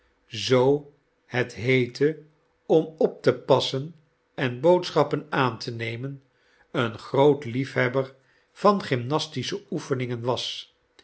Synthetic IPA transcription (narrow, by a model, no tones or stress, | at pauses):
zow | hɛtɦejtʰə | ɔmɔp̚təpɑsən | ɛnbowtsχɑpənaːntʰənejmən | ənχrowtlifɦɛbər | v̥ɑnχɪmnɑstisəufənɪŋənʋɑs